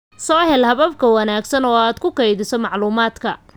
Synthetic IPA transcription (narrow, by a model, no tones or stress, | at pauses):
sɔːhɛlhɐβɐb̚kʰɐwɐnaːɡsɐnɔːaːd̪kʰʊkɛjðɪsɔmɑʕluːmaːd̪kʰɐ